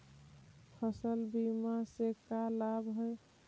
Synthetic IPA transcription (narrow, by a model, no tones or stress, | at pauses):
pʰəsəlbimasekalabɦoj